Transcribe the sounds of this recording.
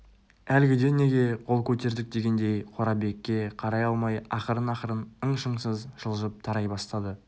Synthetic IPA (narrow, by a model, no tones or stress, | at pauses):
ælɡʲɪd̪e̞ne̞ɡʲe̞qʰo̞lˠkʲʰɵt̪e̞ɾd̪ɪk̚d̪e̞ɡʲe̞nd̪e̞jqʰoɾɑbe̞kʲːe̞qʰɑɾɑjɑlˠmɑjɑqəɾənɑqəɾənəɴʃəɴsəzʒ̥əlˠʒəp̚t̪ʰɑɾɑjbɑst̪ɑd̪ə